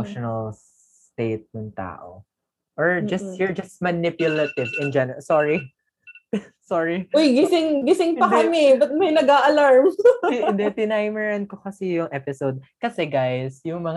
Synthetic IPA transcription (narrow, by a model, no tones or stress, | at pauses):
ʃonɐls | t̪ejt̪̚nɐŋt̪a̰ːʔo̰ | ʔɔɹd͡ʒɐst̪hiɹd͡ʒɐst̪̚mɐnɪpjʊlɐt̪ɪvɪ̃nd͡ʒɛnsɔɹi | sɔɹiojɡɪsɪŋɡɪsɪŋpɐkɐmɪbɐt̪̚mɐjnɐɡaʔɐlaɹmd̪ɛt̪ɪnajmɛɹɐnkokɐsɛjʊŋʔɛpɪsowd̪̚kɐsɛɡajsjʊŋmɐŋ